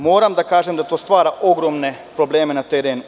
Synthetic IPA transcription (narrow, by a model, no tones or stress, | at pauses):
moːɾamd̪akaːʒemd̪at̪oːst̪ʋaːɾaʔo̞ɡɾoːmne̞pɾo̞bleːmenat̪eɾeːnu